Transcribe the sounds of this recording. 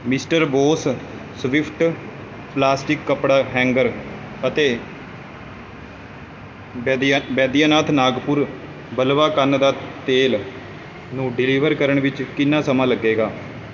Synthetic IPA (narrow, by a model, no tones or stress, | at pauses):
mɪsʈəɾboːs | sʋɪpʰʈ | plaːsʈɪkːəpɽaːɦɛ̃ːŋɡəɾ | ət̪eː | bɛːd̪ijaːnaːt̪ʰnaːɡpʊɾ | bəlʋaːkənd̪aːt̪eːl | nũːɖɪliːʋəɾkəɾəɳʋɪt͡ʃkɪnːaːsəmãːləɡːeːɡaː